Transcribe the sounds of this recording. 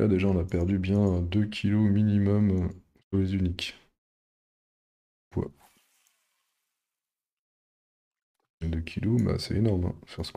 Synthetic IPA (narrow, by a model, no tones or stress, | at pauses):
ad̪eʒaɔ̃napɛʁd̪ybjɛ̃d̪økʲʰilominimɔm | syʁlezynik | vwa̰ | ed̪økʲʰiloma̰sɛenɔʁmɛ̰̃fɛʁsə̥k